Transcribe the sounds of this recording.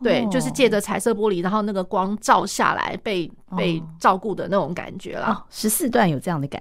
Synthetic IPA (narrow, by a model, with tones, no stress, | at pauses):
t̪we˥˩ɪt͡ɕjo˥˧ʊʂ̬ɻ̩˥˧t͡ɕjɛ˥˩ʈ͡ʂə˨˩t͡sʰa˧˥ɪsɤ˥˩p̬wɔ˥li˨˩ɻa˧˥nxo˥˧ʊna˥˩ɡə˩kwɑ˥ŋʈ͡ʂɑ˥˧ʊɕja̰˥˩la̰˧˥ɪpe˥˧ɪ | pe˥˧ɪʈ͡ʂɑ˥˧ʊku˥˩d̪ə˩˨na˥˩ʈ͡ʂʊ˨˧˥ŋka̰˨˩nt͡ɕɥɛ̰˧˥lɐ̰˦ʂɻ̩˧˥sɹ̩˥˧t̪wa˥˩njo˨ʊʈ͡ʂɤ˥˧jɑ˥˩ŋd̪ə˩ka̰˨